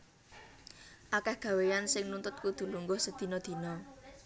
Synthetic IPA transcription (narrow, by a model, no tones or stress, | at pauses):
ʔakɛhɡ̥ä̤wejansɪŋnunt̪ʊt̪̚kud̪̥ṳluŋɡʊhsəd̪̥i̤nɔd̪̥i̤nɔ